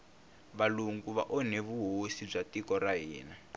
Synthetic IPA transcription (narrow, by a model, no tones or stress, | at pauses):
βaluŋɡuβa̰ʔɔneβuɦosib͡ʐatikɔraɦiːna